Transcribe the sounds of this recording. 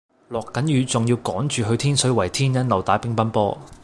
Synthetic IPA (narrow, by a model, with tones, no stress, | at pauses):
lɔː˨kːɐ˨˥njyː˨˧t͡sʊ˨ŋjiː˧wkɔː˨˥ŋt͡ʃyː˨ɦɵ˧t̪ʰiː˥nsɵ˨˥wɐ˨˩jt̪ʰiː˥njɐ˥nlɐ˨˧wt̪aː˨˥pɪ˥ŋpɐ˥npɔː˥